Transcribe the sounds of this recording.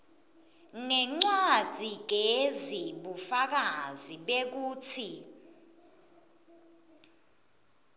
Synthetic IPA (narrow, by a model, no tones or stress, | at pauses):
ŋɛŋ͡ǀḁd͡z̥ʱiɡ̥ʱeziɓufak̬aziɓek̬uːt͡sʰi